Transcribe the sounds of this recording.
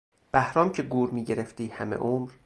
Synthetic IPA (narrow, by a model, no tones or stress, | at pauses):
b̥æhɾɒːmcʰeɡuːɾmiːɟe̞ɾeft̪iːhæmḛʔoːmɾ